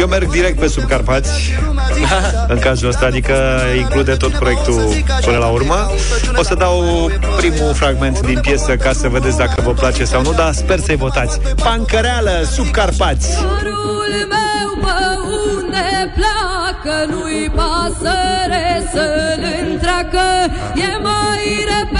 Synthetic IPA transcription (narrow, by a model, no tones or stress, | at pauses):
jewme̞rɡ̚d̪iɾe̞k̚t̪̚pe̞sub̚karpat̪sʲ | ɨŋkazuəst̪aːd̪ikə | iŋklud̪e̞t̪o̞t̪̚pɾo̞jek̚t̪u | pɨnəlaurmə | o̞səd̪aw | pɾimufɾaɡme̞nt̪d̪inpje̞səkasəve̞d̪et̪sʲd̪akəvəplat͡ʃe̞sawnud̪aspe̞rsəjvo̞t̪at̪sʲ | paŋkəɾealəsub̚karpat̪sʲoɾu | lmewpə | und̪epla | kənujpasəɾesəlɨnt̪ɾakə | jemajɾep